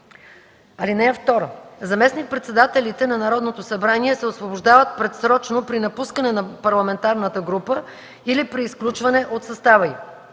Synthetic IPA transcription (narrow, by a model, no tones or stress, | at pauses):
ɐlinɛɛft̪ɔɾəzɐmɛsnik̚pɾɛt̪sɛd̪at̪ɛlit̪ɛnɐnɐɾɔd̪not̪osɐbɾaniɛsɛosvoboʒd̪avət̪̚pɾɛt̪sɾɔt͡ʃnopɾinɐpuskənɛnɐpɐɾlˠɐmɛnt̪aɾnət̪əɡɾupə | ilipɾiːsklʲut͡ʃvɐnɛʔot̪sɐst̪avɐi